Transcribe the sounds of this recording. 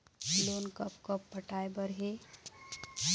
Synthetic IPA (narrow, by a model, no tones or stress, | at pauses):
loːnkəpkəpːəʈaːebəɾɦeː